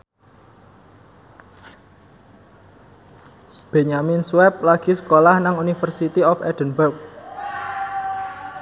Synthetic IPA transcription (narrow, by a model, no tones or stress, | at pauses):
b̥eɲaminsuwɛp̚laɡ̥i̤sə̥kolahnaŋunifərsit̪iɔfɛ̰d̪̥ənbərk̚